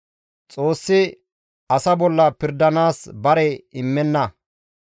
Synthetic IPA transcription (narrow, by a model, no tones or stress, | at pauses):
t͡sʼoːsːɪ | ɐsɐbɔlːɐpɪɾd̪ɐnaːsbɐɾɛɪmːɛnːɐ